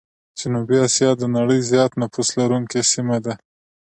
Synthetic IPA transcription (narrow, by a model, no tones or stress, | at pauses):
d͡ʒanubiɑsjɑd̪ənaɽəjzjɑt̪nafuslaɾuŋkesimad̪a